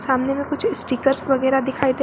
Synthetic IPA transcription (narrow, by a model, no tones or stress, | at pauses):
saːmnemẽkʊt͡ʃʰsʈiːkəɾsʋɐɣɛːɾad̪ɪkʰaːid̪e